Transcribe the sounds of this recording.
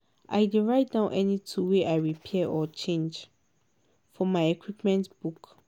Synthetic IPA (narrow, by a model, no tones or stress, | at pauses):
ʔa̰ɪdiɹaɪt̚dãnʔɛnitʰuweʔaɪɹipʰɛɛʔɔt͡ʃʰẽnd͡ʒ | fɔmaɪɛkʰwipmɛ̃ntb̥uk